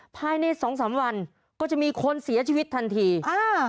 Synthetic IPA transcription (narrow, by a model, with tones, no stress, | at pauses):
pʰaː˧jna˧jsɔː˩˦ŋs̬aː˩˦mwa˧n | kɔː˥˩t͡ɕa˨˩ʔmiː˧kʰo˧nsi˩˦ɐt͡ɕʰiː˧wi˦˥t̪ʰːa˧nt̪ʰiː˧ʔaː˧˩